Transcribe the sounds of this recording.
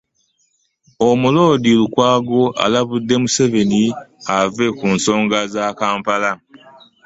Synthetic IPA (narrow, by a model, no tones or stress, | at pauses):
o̞mulo̞ːdilukwaːɡo̞ʔa̰laβudːe̞muse̞ve̞niave̞kunso̞ːŋɡazakaːmpala